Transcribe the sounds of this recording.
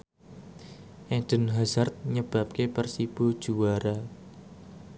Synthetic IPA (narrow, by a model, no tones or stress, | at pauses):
ʔɛd̪̥ə̤nɦazart̪̚ɲəb̥a̤p̚kepərsib̥o̤d̥ʒ̥uwaɾa